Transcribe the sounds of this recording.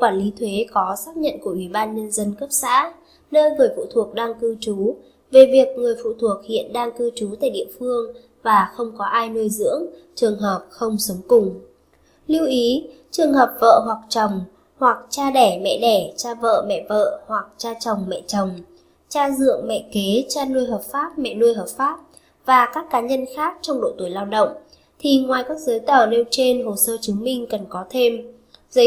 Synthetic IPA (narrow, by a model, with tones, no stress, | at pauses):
kwaː˧˩nli˨˦t̪ʰwe˨˦kɔ˨˦saː˦˥p̚ɲə̰˧˨nku˧˩ʔwi˧˩ɓaː˧nɲə˧nzə˧nkə˦˥p̚sa̰ː˧˥ | nəː˧jvəː˨˩jfṵ˧˨t̪ʰu˨˩ək̚ɗaː˧ŋkɨ˧t͡ɕu˨˦ | ve˨˩vi˨˩ək̚ŋɨ˨˩əjfṵ˧˨t̪ʰu˨˩ək̚hḭ˧˨ənɗaː˧ŋkɨ˧t͡ɕu˨˦t̪a̰ː˧˨jɗḭ˧˨əfɨ˧əŋ | vaː˨˩xə˧wŋ͡mkɔ˨˦ʔaː˧jnu˧jzɨ̰˧˥əŋt͡ɕɨ˨˩əŋɦəː˨˩p̚xə˧wŋ͡msə˨˦wŋ͡mkʊ˨˩ŋ͡m | li˧əwʔi˨˦ | t͡ɕɨ˨˩əŋhɦəː˨˩p̚və̰ː˧˨ɦwa˨˩k̚t͡ɕa˨˩wŋ͡m | hwa˨˩k̚t͡ɕaː˧ɗɛ˧˩mɛ̰˧˨ɗɛ˧˩t͡ɕaː˧və̰ː˧˨mɛ̰˧˨və̰ː˧˨hwa˨˩k̚t͡ɕaː˧t͡ɕə˨˩wŋ͡mmɛ̰˧˨t͡ɕə˨˩wŋ͡m | t͡ɕaː˧zɨ̰˧˨əŋmɛ̰˧˨ke˨˦t͡ɕaː˧nu˧jɦəː˨˩p̚faː˦˥p̚mɛ̰˧˨nu˧əjɦəː˨˩p̚faː˦˥p̚ | vaː˨˩kaː˦˥kːaː˨˦ɲə˧nxaː˦˥k̚t͡ɕɔ˧wŋ͡mɗo̰˧˨t̪u˧˩jlaː˧wɗə̰˧˨wŋ͡m | t̪ʰi˨˩ŋwaː˨˩jkaː˦˥k̚zəː˨˦jt̪əː˧˩ne˧wt͡ɕe˧nɦo˨˩səː˧t͡ɕɨ˨˦ŋmï˧ŋ̟kə˨˩nkɔ˨˦t̪ʰe˧m | zə˨˦